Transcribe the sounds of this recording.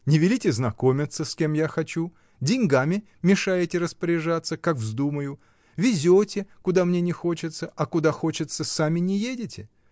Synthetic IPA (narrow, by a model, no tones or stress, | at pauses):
nʲɪvʲɪlʲitʲɪznɐko̞mʲɪt̪səskʲe̞mjaxɐt͡ɕu | dʲɪnʲɡamʲɪ | mʲɪʂajɪtʲɪɾəspəɾʲɪʐat̪sːəkakvzd̪uməjʊ | vʲɪzʲotʲɪkʊd̪amnʲenʲɪxo̞t͡ɕɪt̪səɐkʊd̪axo̞t͡ɕɪt̪səsamʲɪnʲɪjedʲɪtʲɪ